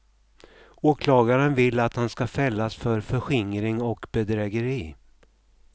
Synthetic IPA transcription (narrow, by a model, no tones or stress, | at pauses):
oːkʰlɑːɡaɾənvɪlːat̪hanskafɛlːasfœɾfœɧɪŋɾɪŋɔkbɛd̪ɾɛːɡəɾiː